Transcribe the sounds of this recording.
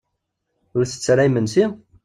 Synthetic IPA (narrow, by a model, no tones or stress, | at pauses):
ʊɾθə̥t͡sːɾˤaimənsi